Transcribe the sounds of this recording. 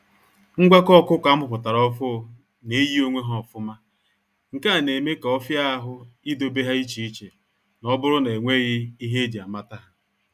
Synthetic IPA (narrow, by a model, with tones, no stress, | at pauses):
ŋ̩˦ɡʷa˦kɔ˦˨kʷʊ˦kʷa˨˦m̩ʊ˦˨pʊ˨ta˨ɾɔ˦fʊ˦˨ | ne˨˦ji˦o˦ŋʷe˦ɦɔ˦˨fʊ˦ma˦ | ŋ̩˨ka˦a˨ne˨me˦ka˨ɔ˦fja˦a˦ɦʊ˦i˦do˦be˦ɦa˦i˦t͡ʃi˨i˦t͡ʃe˨ | nɔ˦bʊ˦ɾʊ˦ne˨ŋʷe˦ɣɪ˦i˦ɦe˦d͡ʒi˨a˨ma˦ta˦ɦa˦